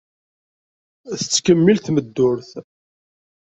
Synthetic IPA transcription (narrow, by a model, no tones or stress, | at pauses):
θət͡sːkəmːilθməd̪ːʊɾθ